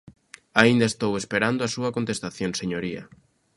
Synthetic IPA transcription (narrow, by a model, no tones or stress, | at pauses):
aind̪aest̪owespeɾand̪oasuɐkont̪est̪aθjonseɲoɾiɐ̰